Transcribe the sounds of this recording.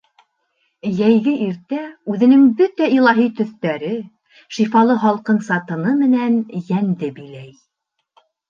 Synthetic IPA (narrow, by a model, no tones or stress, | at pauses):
jæjɡɘʔiɾt̪æʉðɘ̆nɘŋbɵt̪æilˠɑɦit̪ɵ̆θt̪æɾɘ | ʃifɑlˠɤɦɑlˠqɤɴsɑt̪ɤ̆nɤmɘ̆nænjænd̪ɘbilæj